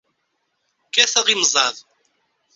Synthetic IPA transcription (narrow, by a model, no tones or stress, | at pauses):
kæθæʁimzˤɑðˤ